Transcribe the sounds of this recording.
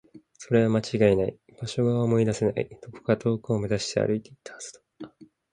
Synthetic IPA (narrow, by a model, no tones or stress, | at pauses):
so̞ɾe̞βamat͡ɕiɡaenaḭ | b̥aɕo̞ɡaomo̞id̪ase̞na̰ḭt̪o̞ko̥kat̪ʰo̞ːkɯːme̞zaɕi̥t̪e̞a̰ɾɯ̟it̪e̞it̪ʰːḁasɨ̥t̪o̥